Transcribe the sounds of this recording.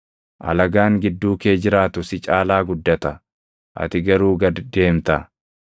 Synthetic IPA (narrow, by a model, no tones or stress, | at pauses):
ʔɐ̰lɐɡaːŋɡɪd̪ːuːke̞ːd͡ʒɪɾaːt̪ʊsɪt͡ʃʼaːlaːɡʊd̪ːɐt̪ɐ | ʔɐ̰t̪ɪɡɐɾuːɡɐdd̪e̞ːmt̪ɐ